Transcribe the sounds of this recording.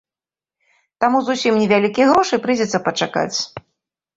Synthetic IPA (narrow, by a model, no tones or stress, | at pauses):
t̪amuzusʲimnʲɛvʲalʲikʲijɣɾɔʂɨpɾɨd͡zʲɛt̪sːɐpɐt͡ʂaka̰t͡sʲ